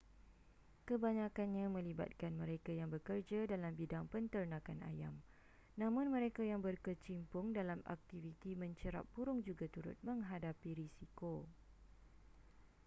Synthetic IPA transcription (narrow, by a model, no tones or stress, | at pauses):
kəbaɲãkanɲãmə̃liba̰t̪̚kanmə̃ɾekajaŋbərkərd͡ʒadalambidaŋpənt̪ərnãkana̰ja̰m | nãmʊ̃nmə̃ɾekajaŋbərkət͡ʃimpʊŋdalama̰k̚t̪ivit̪imə̃ɲt͡ʃəɾa̰pːuɾʊŋd͡ʒuɡat̪uɾʊ̰t̪̚mə̃ŋɦadapiɾisiko